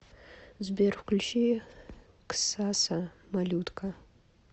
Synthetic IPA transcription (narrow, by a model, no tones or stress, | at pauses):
zberxʷkʷʊlʲʃi | ksasamalʲut̪kʰa